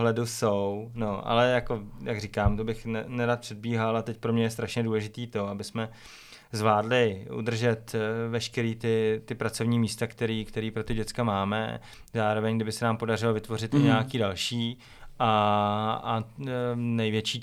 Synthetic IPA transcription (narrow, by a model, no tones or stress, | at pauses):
ɦlɛdusowno̞ʔa̰lɛjako̞jaɡrikaːmt̪o̞bɪxnɛnɛɾat̪pr̥ɛd̪̚biːɦalat̪ɛc̚pɾomɲɛjɛs̬t̪ɾaʃɲɛduːlɛʒɪt̪iːt̪o̞abɪsmɛ | zvlaːdlɪʔṵd̪r̩ʒɛt̪vɛʃkɛɾiːt̪ɪt̪ɪpɾat͡so̞vɲiːmiːst̪akt̪ɛɾiːkt̪ɛɾiːpɾo̞t̪ɪɟɛt͡skamaːmɛ̰ | zaːɾo̞vɛɲɡdɪbɪsɛnaːmpo̞darɪlo̞vɪt̪vo̞rɪt̪ɲɛjakiːdalʃiː | ʔa | a | nɛjvjɛt͡ʃiː